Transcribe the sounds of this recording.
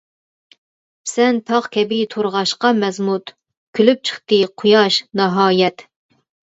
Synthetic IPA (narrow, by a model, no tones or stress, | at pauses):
sɛnt̪ʰɑʁkʲʰɛbit̪ʰoɾʁɑʃqɑmɛzmut̪ | kʲʰylyp̚t͡ʃʰə̥χt̪ɨqʰʊjɑʃnɑɦɑːjɛt̪